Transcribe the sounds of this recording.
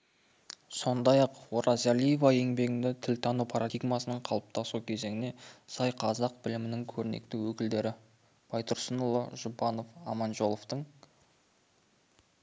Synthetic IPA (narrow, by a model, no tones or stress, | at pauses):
so̞nd̪ɑjɑqwo̞ɾɑzalijevɑe̞ŋbe̞ɡʲɪnd̪ɪt̪ʰɪlt̪ʰɑnupʰɑɾad̪iɡmɑsənəɴqʰɑlˠəp̚t̪ʰɑsukʲʰe̞ze̞ŋɪne̞sɑjqʰɑzɑqbɪlɪmɪnɪŋkʲʰɵɾɪnḛk̚t̪ɪwɵkʲɪld̪e̞ɾɪ | b̥ɑjt̪ʰʊɾsənʊlˠəʒʊbɑno̞fɑmɑnʒo̞lˠo̞ft̪əɴ